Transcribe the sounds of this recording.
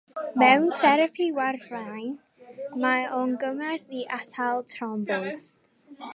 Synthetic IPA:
mɛwnθɛɾəpʰiwarvajn | maɔnɡəmɛrðiʔatalˠtʰrɔmbɔz̥

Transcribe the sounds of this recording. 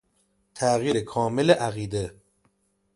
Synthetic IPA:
t̪ʰæɣjiːɾekʰɒːmeleʔæɣiːd̪e

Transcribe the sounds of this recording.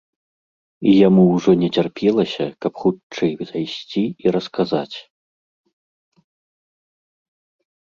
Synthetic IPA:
ijamuwʐɔnʲɛt͡sʲarpʲɛlˠɐsʲɐkɐpxut͡ʂɨjzajsʲt͡sʲiiɾɐskazat͡sʲ

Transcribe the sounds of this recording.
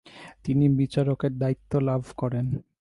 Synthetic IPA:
t̪inibit͡ɕaɾokeɾd̪ait̪ːolabʱkɔɾen

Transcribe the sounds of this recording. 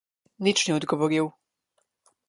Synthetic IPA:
nit͡ʃniɔd̪ɡɔvɔɾiw

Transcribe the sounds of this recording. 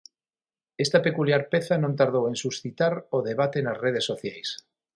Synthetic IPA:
est̪apekuljaɾpeθanõnt̪aɾð̞owẽnsusθit̪aɾoðeβ̞at̪enazreð̞esːoθjajs

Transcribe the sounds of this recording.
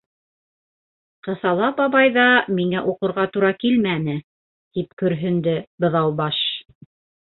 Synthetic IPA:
qɤ̆θɑlˠɑpɑβɑjðɑmiŋæʔuqɤ̆ɾʁɑt̪uɾɑkilmænɘ | t̪ipkɵ̆ɾɦɵ̆nd̪ɘbɤ̆ðɑwbɑʃ

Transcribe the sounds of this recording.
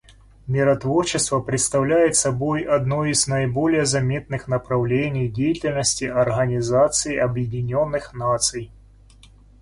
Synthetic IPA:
mʲiɾɐt̪vɔrt͡ʃɪst̪vɐpɾʲɨt̪st̪ɐwlʲajɛt̪sɐbɔjɐd̪nɔjiznɐjbɔlʲɪjɛzɐmʲet̪nɨxnɐpɾɐwlʲenʲːijdʲejitʲɪlʲnəsʲtʲiʔɐrɣɐnʲizat̪sɨjiɐbjɪdʲɪnʲɔnːɨxnat̪sɨj

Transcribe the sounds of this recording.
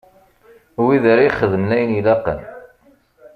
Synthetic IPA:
wiðæɾajχəðəmnæjənilaqə̰n

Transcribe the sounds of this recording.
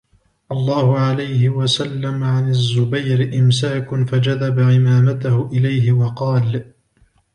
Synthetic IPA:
ʔɑlˤːɑːhʊʕalajhɪwasalːamʕanazːʊbajɾɪʔɪmsaːkʊfad͡ʒaðabaʕɪmaːmat̪ahʊʔɪlajɦɪwɑqɑːl

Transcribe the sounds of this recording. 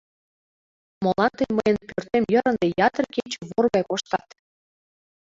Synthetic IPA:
molɑnt̪əjməjənpørt̪emjəɾə̆nd̪ejɑt̪ərket͡ɕĕβorɣɑjkoʃt̪ɑt̪

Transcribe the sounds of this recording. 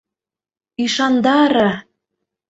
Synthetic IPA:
iʃɑnd̪ɑɾɑ

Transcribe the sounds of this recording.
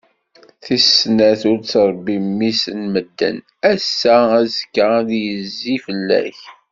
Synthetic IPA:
θisnæθʊɾt͡sɾˤbːimːisənməd̪ːə̰n | æsːææzkːaðjəzːifəlːæ̰ç

